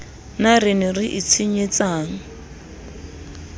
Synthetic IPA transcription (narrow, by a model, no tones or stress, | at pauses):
narɪnɪrɪʔit͡sʰiɲet͡sʼaːŋ̩